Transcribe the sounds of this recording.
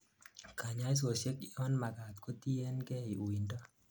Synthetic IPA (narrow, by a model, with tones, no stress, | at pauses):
kʰa˨ɲa˦i˦s̬o˨sje˦kɔ˦nma˨ka˨t̚ko˦ti˦ɛ˦nkɛ˦i˨u˨i˨ndɔ˦